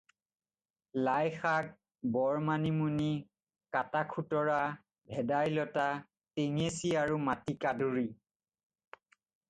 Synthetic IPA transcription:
lajxaɡ̚ | bɔɹmanimuni | katakʰutɔɹa | bʱɛdajlɔta | teŋesiaɹumatikaduɹi

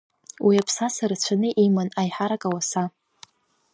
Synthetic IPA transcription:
wiapʰsasaɾat͡ɕʷʰanɨʔimanajħaɾakʼawasa

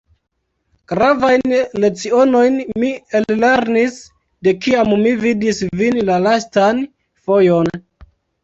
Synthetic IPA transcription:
ɡ̥ɾavajnle̞t͡sio̞no̞jnmielle̞ɾnis | de̞kiammividisvinlalastan | fo̞jo̞n

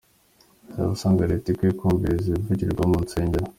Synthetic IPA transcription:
za̰βusaːŋɡaɾetikwiːkʰuːmbizivuɟiɾɡwamunt͡seːɲɟeɾo

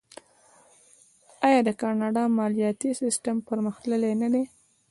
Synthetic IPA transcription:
ɑjɑd̪əkɑnɑɖɑmɑlijɑt̪isɪsʈəmpəɾməxləlenad̪e

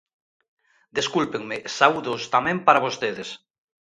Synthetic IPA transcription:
d̪eskulpeŋmɪsauðost̪amɛ̃mpaɾaβost̪eðes

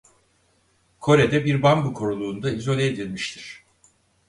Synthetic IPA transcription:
kʰo̞ɾed̪ɛbiɾbambukʰo̞ɾulˠuːnd̪aizo̞lʲeːd̪ilʲmiʃt̪ʰiɾ̥

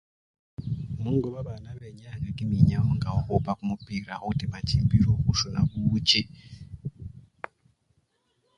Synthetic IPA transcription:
muŋɡoβaβanaβeɲaɲeɡimiɲaoŋɡaokopakumupiɾaotimacimbiɾokuʃona̰βuuce

